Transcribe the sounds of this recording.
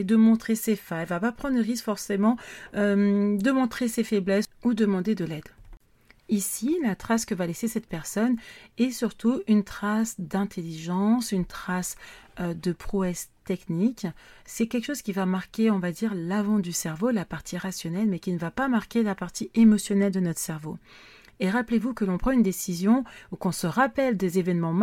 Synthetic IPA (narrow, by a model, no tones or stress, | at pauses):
d̪əmɔ̃t̪χesefɛ̃ɛlvapapχɑ̃d̪ʁəʁiskfɔʁsemɑ̃ømd̪əmɔ̃t̪χesefɛblɛsud̪əmɑ̃d̪ed̪əlɛd̪ | isilat̪χaskəvalesesɛt̪pɛʁsɔnɛsyʁt̪uynt̪χasd̪ɛ̃t̪ʰeliʒɑ̃synt̪χasød̪əpχuɛst̪ɛkniksɛkʲɛlkə̥ʃoz̥kʲivamaʁkʲeɔ̃vad̪iʁlavɑ̃d̪ysɛʁvolapaʁt̪ʰiʁasjɔnɛlmɛkʲinəvapamaʁkʲelapaʁt̪ʰiemɔsjɔnɛld̪ənɔt̪χə̥sɛʁvo | eʁaplevukəlɔ̃pχɑ̃ynd̪esizjɔ̃ukɔ̃səʁapɛld̪ezevɛnmɑ̃m